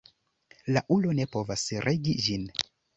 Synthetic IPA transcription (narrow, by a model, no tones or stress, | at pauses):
laʔulo̞ne̞po̞vasɾʔe̞ɡid͡ʒin